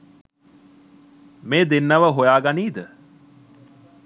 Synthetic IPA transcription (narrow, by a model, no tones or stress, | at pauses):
meːd̪enːɐʋəɦojaːɡaniːd̪ə